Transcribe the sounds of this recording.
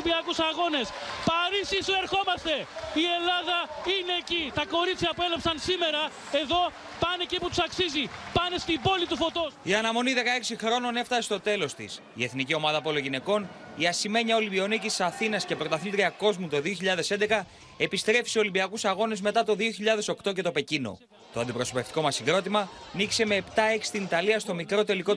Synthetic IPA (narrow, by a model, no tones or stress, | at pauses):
biɐkusɐɣo̞ne̞spɐɾisisue̞ɾxo̞mɐst̪e̞ie̞lɐðɐine̞cit̪ɐko̞ɾit͡s̪çɐpue̞lɐpsɐnsime̞ɾɐ | e̞ðo̞ | pɐneciput̪u̥sɐksizipɐne̞st̪ibo̞lit̪ufo̞t̪osiɐnɐmo̞niðe̞kɐe̞ksixɾo̞none̞ft̪ɐst̪o̞t̪e̞lo̞st̪ḭs | ie̞θnicio̞mɐðɐpo̞loʝine̞ko̞n | iɐsime̞ɲɐo̞libio̞nicissɐθinɐsce̞pɾot̪ɐθilt̪ɾiɐko̞zmut̪o̞ðio̞çiʎɐðe̞se̞nd̪ekɐ | e̞pist̪ɾe̞fi̥seo̞libiɐkusɐɣo̞ne̞zme̞t̪ɐt̪o̞ðio̞çiʎɐðe̞so̞kt̪o̞cet̪o̞pe̞cino̞̰ | t̪o̞ɐnd̪ipɾo̞so̞pe̞ft̪i̥ko̞mɐsiɡɾo̞t̪imɐnikse̞me̞ːpt̪ɐe̞ksi̥t̪init̪ɐliɐst̪omikɾo̞t̪e̞liko̞